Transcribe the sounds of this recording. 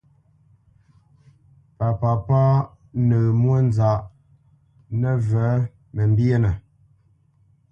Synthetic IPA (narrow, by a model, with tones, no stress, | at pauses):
pa˨pa˨pa˦ | nə˨mwə˦n˨za˨ʔ | nə˦və˨˦ | mə˨m˦bje˦nə˨